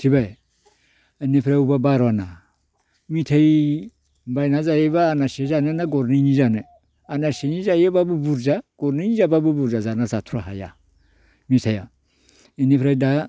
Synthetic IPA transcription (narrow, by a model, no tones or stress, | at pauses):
tʰiβaj | nepʰɾaubabaɾɔana | mitʰaj | bajnazajeβaːnasezanɯnaɡɔɾniɲizanɯ | anaseɲizajebabubuɾzaɡ̥ɔɾniɲizababubuɾzazanazatʰuɾaɦa̰ja̰ | mitʰaja | inipʰɾajda